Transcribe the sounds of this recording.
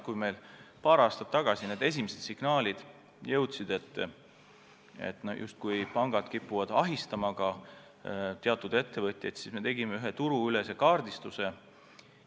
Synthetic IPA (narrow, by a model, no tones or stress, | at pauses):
kuime̞jlpɑːɾɑːst̪ɑ̥t̪ːɑɡ̥ɑsineːd̪e̞s̬ʲimise̞d̪siɡ̥nɑːlʲid̪̥ | jɤwt̪sid̪̥e̞t̪ˑː | ḛt̪ːˑno̰jʔṵst̪̚kujpɑŋɡ̥ɑd̪̥kipːuvɑd̪̥ɑ̰ɦist̪ɑmɑɡɑ | t̪eɑt̪ːˑud̪̥e̞t̪ːe̞vɤt̪ʲˑjɑjd̪̥sisme̞t̪e̞ɡimeyɦet̪uɾuylese̞kɑːrd̪ist̪use̞